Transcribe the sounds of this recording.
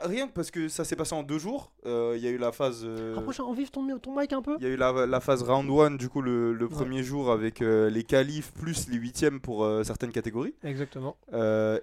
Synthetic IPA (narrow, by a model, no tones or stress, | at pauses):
ʁjɛ̃paʁsə̥kəsasɛpaseɑ̃d̪øʒuːʁ | øiljaylafazøʁəpχɔʃɛ̃ɑ̃vivt̪ɔ̃mɛt̪ɔ̃majkɛ̃pøiljaylalafazʁãd̪wand̪ykulələpχəmjeʒuːʁavɛkølekalifplysleɥit̪jɛmpuʁøsɛʁt̪ɛnkat̪eɡɔʁiɛɡzakt̪əmɑ̃ø